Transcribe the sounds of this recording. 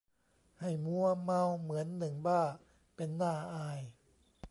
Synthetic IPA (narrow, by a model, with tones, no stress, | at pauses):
ha˥˩jmu˧ɐma˧wmɯ˩˦ənːɯ˨˩ŋbaː˥˩ | pe˧nːaː˥˩ʔaː˧j